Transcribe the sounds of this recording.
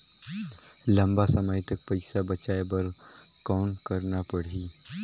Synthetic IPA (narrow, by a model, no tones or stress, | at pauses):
lɐ̃mbasɐməjt̪ək̚pəɪsabɐt͡ʃaːebɐɾ | kɔːnkɐɾnapəɽ̤iː